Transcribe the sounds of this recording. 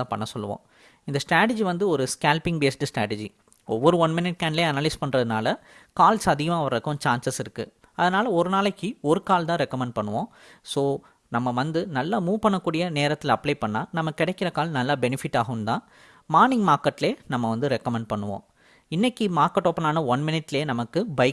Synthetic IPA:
ãːpɐ̰ɳːɐsɔlːɯ̰ʋõ̰ː | ɪnd̪ɐsʈɾaːʈ̬ɪd͡ʒiʋɐnd̪ɯɔɾɯskaːlpɪŋɡbeːsʈɯsʈɾa̰ːʈɛd͡ʒi | ɔʋːɐɾɯʋɐnmɪnɪʈ̚kaːnleːɐnɐːlɐɪspɐɳːɾɐðɯnaːlɐkaːlsɐðɪɣɐmaːʋɐɾɐkːʊ̃t͡ʃaːnsɐsɪɾɯkːɯ | ɐðɐnaːlɐɔɾɯnaːlɐkːiɔɾɯkaːlt̪ãːɾɛkːɐmɛɳɖ̚pɐɳːɯʋõː | soː | nɐmːɐʋɐnd̪ɯnɐlːaːmuːpɐɳːɐkːuːɽɪjɐneːɾɐt̪ːɪlɐpleːpɐɳːaːnɐmːɐkɪɽɛkːɪɾɐkaːlnɐlːaːbɛnɪfɪʈːaːɣɐʋɯmt̪ãː | maːnɪŋɡmaːɾkɐʈːɪleːnɐmːɐʋɐnd̪ɯɾɛkːɐmɛɳɖ̚pɐɳːɯʋõ̰ː | ɪnːɛkːimaːɾkɐʈːoːpːɐnaːnɐʋɐnmɪnɪʈːɪleːnɐmɐkːɯbɐɪ

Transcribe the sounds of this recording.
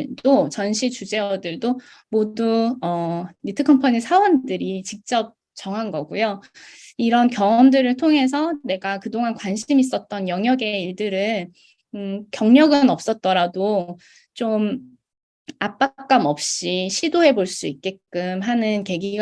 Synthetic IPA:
dot͡ɕʌnɕʰit͡ɕud͡ʑe̞wʌdɯɭdo | moduʌnitʰɯkʰʌmpʰʌɲisʰawʌndɯɾit͡ɕik̚t͡ɕ͈ʌp̚ | t͡ɕʌŋɦanɡʌɡujo | iɾʌnkjʌŋʌmdɯɾɯɭtʰoŋɦe̞s̬ʰʌne̞ɡakɯdoŋɦankwanɕʰimis͈ʌt̚t͈ʌnjʌŋjʌɡe̞iɭdɯɾɯ | ɯkjʌŋɲʌɡɯnʌp̚s͈ʌt̚t͈ʌɾado | t͡ɕom | ap͈ak͈̚amʌp̚ɕ͈iɕʰidoɦe̞boɭs͈uik̚k͈e̞k͈ɯmɦanɯnke̞ɡiɡ

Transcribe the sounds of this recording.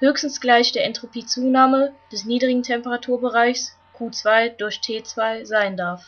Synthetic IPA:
høːçstn̩sɡ̥laɪçd̥eːɐʔɛntʁ̥opʰiːt͡suːnaːməd̥ɛsniːdʁɪɡŋ̩tʰɛmpəʁatʰuːɐbəʁaɪçs | kʰuːt͡sv̥aɪd̥ʊɐçtʰeːt͡sv̥aɪzaɪndaɐf

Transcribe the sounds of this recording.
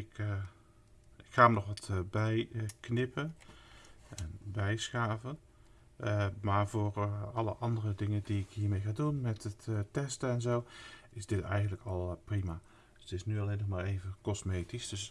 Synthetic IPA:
ɪk | ɪkxaːmənɔxʋɑtbɛjknɪpʰə | ɛnbɛjsxaːvən | maːɹvoːrɑləʔɑndərədɪŋəndiɪkhiːəmejxaːdunmɛtəttɛstəɛnzowɪsdɪtɛ̰jɣəntləkɔlˠprima | tɪsnyɑlenɔxmaːreːvəkɔsmeːtisd̥øs

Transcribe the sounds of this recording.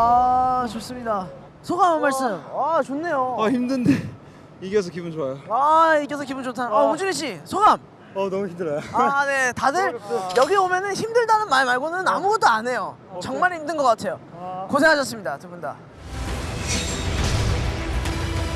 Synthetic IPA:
at͡ɕos͈ɯmɲida | sʰoɡamːaɭs͈ɯɯmat͡ɕonːe̞joaçimdɯnde | ikes̬ʰʌkibund͡ʑoajoaik͈esʰʌk̬ibund͡ʑotʰanʌud͡ʑuɾiɕ̬͈isʰoɡam | ʌnʌŋçimdɯɾajone̞tadɯɾjʌɡiomjʌnɯnçimdɯɭdanɯnmaɾimaɭɡonɯɯnamuɡʌt̚t͈oanɦe̞jo | t͡ɕʌŋmaɾindɯnɡʌk͈atʰe̞jokosʰe̞ŋɦaɕ̬ʰʌs͈ɯmɲidatɯbunda̰

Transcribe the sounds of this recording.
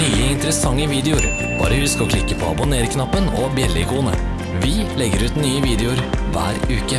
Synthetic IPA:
yːəɪnt̪əɾəsɑŋːəʋiːd̪ɛʊɾ | b̥ɑ̰ːɾəhʉskɔkʰlɪkːəpʰoːɑ̰bʊneːɾkʰnɑpːənobjɛlɪ̰kʰuːnə̰ | ʋɪlɛɡəɾʉːt̪nyːəʋiːd̪ɛʊɾʋæ̰ːɾʉːkə

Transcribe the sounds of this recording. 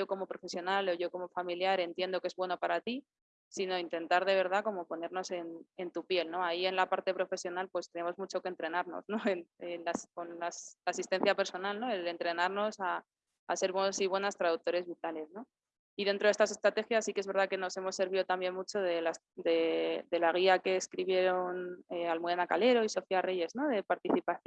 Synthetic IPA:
o̞ko̞mo̞pɾo̞fe̞sjo̞nalo̞ʝo̞ko̞mo̞familjaɾe̞nt̪je̞nd̪o̞kee̞zβwe̞no̞paɾat̪i | sino̞int̪e̞nt̪aɾð̞e̞βe̞ɾð̞ako̞mo̞po̞ne̞ɾno̞se̞ne̞nt̪upje̞lno̞aie̞nlapaɾt̪e̞pɾo̞fe̞sjo̞nalpwe̞st̪e̞ne̞mo̞zmut͡ʃo̞kent̪ɾenaɾno̞̰sno̞e̞nenlasko̞nlaslaːsist̪e̞n̟θjape̞ɾso̞nalno̞e̞le̞nt̪ɾe̞naɾno̞sa̰ː | se̞ɾβwenosiβwe̞nast̪ɾaðuk̚t̪oɾe̞zβit̪ale̞sno̞ | iðent̪ɾoest̪as̬e̞st̪ɾat̪e̞xjasːikee̞zβe̞ɾðake̞no̞se̞mo̞sːe̞ɾβ̞iðo̞t̪ambje̞nmut͡ʃo̞ðe̞las | d̪e̞d̪e̞laɣ̞iake̞ːskɾiβ̞je̞ɾo̞nealmuenakale̞ɾo̞iso̞fiare̞ʝe̞zno̞ð̞e̞paɾt̪iθipaθ

